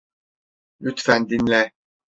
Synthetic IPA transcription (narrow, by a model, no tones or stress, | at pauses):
jyt̪fænd̪inlɛ